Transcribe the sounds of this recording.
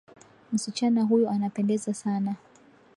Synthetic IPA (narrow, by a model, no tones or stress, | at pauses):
m̩sit͡ʃanaɦujɔanapɛndɛzasana